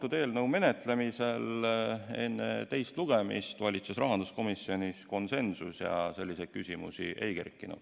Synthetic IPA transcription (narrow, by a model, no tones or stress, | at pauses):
t̪ud̪̥eːlnɤwme̞net̪ˑle̞mise̞l | e̞nːḛt̪e̞jst̪luɡ̥e̞mḭst̪vɑlʲit̪sesrɑɦɑnd̪̥usko̞misːio̞nʲisko̞nse̞nsusjɑ̰se̞lːised̪̥̚kysʲimṵsiʔejkerkːˑinɑ̰